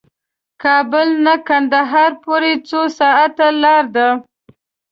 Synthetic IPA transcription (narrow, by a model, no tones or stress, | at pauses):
kɑbəlnakand̪aɦɑɾpoɾet͡sosɑat̪alɑɾd̪a